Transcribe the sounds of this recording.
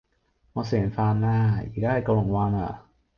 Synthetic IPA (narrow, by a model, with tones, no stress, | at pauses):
ŋɔː˧se˨˩˦nfaː˧nːaː˧˩ḭ˨˩daː˥˩˧ka˧lo˨˩ŋwaː˧na̰˨˩